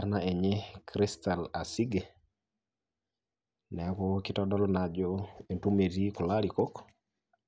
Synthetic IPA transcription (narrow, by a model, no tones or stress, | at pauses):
aɾnaeɲekɾist̪alasiɡe | nɛkɔkɪtɔdɔlɔnad͡ʒɔentumetikɔlaɾikok